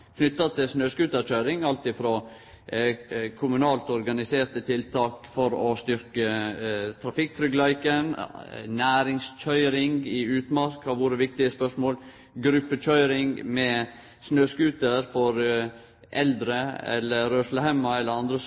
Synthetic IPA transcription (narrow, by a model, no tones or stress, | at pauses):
kʰnʏt̪ːɑt̪ʰɪlsnøːskʉːt̪əɾtʰœʏɾɪŋɑlt̪ɪfɾɔ | kʰʊmʉnɑːlt̪ɔɾɡɑnɪseːɾt̪ət̪ʰɪlt̪ʰɑːkfɔɾɔst̪ʏɾkət̪ʰɾɑfɪk̚t̪ʰɾʏɡlæɪkənnæːɾɪŋstʰœʏɾɪŋɪʉːt̪mɑɾkhɑɾʋʊɾəʋɪk̚t̪ɪəspœʂmoːl | ɡɾʉpːətʰœʏɾɪŋmɛ | snøːskʉːt̪əɾfɔɾ | ʔɛld̪ɾəɛ̰lːəɾøːʂləhæmɑɛlːəɾɑnd̪ɾə